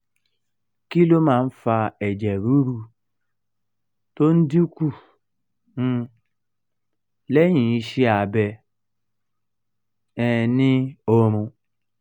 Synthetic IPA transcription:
ki˦lo˦ma˨n̩˦fa˦e˨d͡ʒe˨ɾu˦ɾu˦ | to˦n̩˦di˦kʷu˦ | n̩˦ | le˦ɲĩ˨i˦ʃi˦a˨be˨ | ɛ˨nɪ˦o˦ɾũ˧

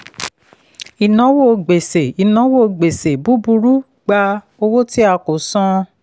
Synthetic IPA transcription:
i˨nɔ̃˨˦wo˦ɡ͡be˨se˨i˨nɔ̃˨˦wo˦˨ɡ͡be˨se˨bu˨˦bu˧ɾu˦ | ɡ͡ba˧ | o˧wo˦ti˦a˧ko˨sɔ̃˦

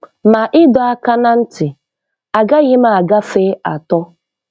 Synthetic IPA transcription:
ma˨ʔɪ˦dɔ˨a˦ka˦na˦n̩˦tɪ˨ | a˨ɡa˦ɣɪ˦ma˦˨a˨ɡa˦fe˦a˨tɔ˦

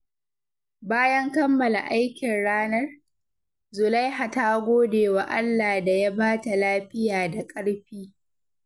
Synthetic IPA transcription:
baː˦jɐ˦ŋkɐ˦mːɐ˨la̰˨ʔa˦jkʲɪ˨nɽaː˦nɐ˦r | zʊ˨la˦jɦa˨taː˦ɡʷoː˦deː˨wa˨ʔa˦lːaː˨da˨ja˦baː˦ta˨laː˦ɸɪ˦jaː˨da˨kʼɐ˦ɽɸiː˦

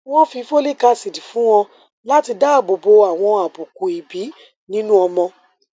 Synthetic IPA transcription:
w̃ɔ̃˦fi˧˦fo˦le˦˨ka˦˧˨si˨di˨fũ˨˦w̃ɔ̃˧ | la˦ti˧da˦˨bo˨bo˨˧a˨w̃ɔ̃˧a˨bu˨ku˨i˨bi˨˦ | nĩ˦nũ˦ɔ˧mɔ̃˧

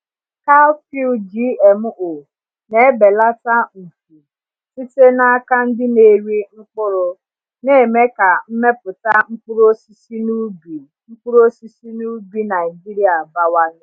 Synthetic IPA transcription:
ka˦fi˦ld͡ʒi˦e˨m˦o˨ | ne˦e˦be˨la˦ta˦m̩˨fu˨ | si˦te˦na˦ka˦n̩˦dɪ˦ne˨ɾi˦ŋ͡m̩˦k͡pʊ˦ɾʊ˨ | ne˦e˨me˦ka˨m̩˦me˦pʊ˨ta˦ŋ͡m̩˦k͡pu˦ɾo˦si˦si˦nu˦bi˨ | ŋ͡m̩˦k͡pu˦ɾo˦si˦si˦nu˦bi˦na˨ɪ˨d͡ʒi˦ɾi˦a˨ba˦wa˦nʊ˦

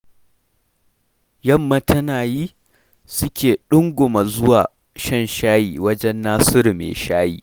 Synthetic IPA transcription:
jɐ˦˨mːɐ˦tʰɐ˦naː˨jiː˦ | sʊ˦kʲeː˨ɗʊ˦ŋɡʷʊ˨ma˨zʊ˦waː˨ | ʃɐ˦˨nʃaː˦jiː˨wɐ˦d͡ʒɛ˦nːaː˦sɪ˦ɾmḛ˨ʃaː˦jḭː˨

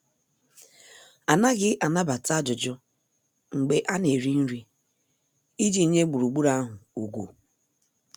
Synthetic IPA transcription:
a˨na˦ɡɪ˦ʔa˨na˦ba˨ta˦d͡ʒʊ˨d͡ʒʊ˦ | ŋ͡m̩˨ɡ͡be˨ʔa˦ne˨ɾi˦n̩˦ɾi˦ | i˦d͡ʒi˦ɲe˦ɡ͡bu˨ɾu˨ɡ͡bu˦ɾa˦a˦ɦʊ˨u˨ɡʷṵ˨

